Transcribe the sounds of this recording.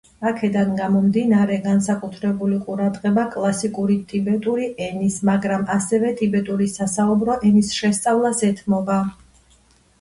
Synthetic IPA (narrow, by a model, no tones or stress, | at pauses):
akʰɛd̪anɡamɔmd̪inaɾɛɡansakʼut̪ʰɾɛbuliqʼuɾad̪ʁɛbakʼlˠasikʼuɾit̪ʼibɛt̪ʼuɾiʔɛnismaɡɾamasɛvɛt̪ʼibɛt̪ʼuɾisasaubɾɔʔɛnisʃɛst̪sʼavlˠasɛt̪ʰmɔba